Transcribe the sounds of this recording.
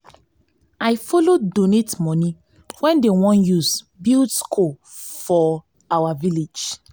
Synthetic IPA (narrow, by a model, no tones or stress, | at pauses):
ajfɔlodonetmɔni | wɛ̃ndewɔ̃njus | bildskʰo | fɔ | awaviled͡ʒ